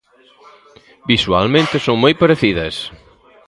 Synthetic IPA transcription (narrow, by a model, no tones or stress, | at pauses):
biswa̰lmẽnt̪ɪsoŋmojpɐɾeθiðɐs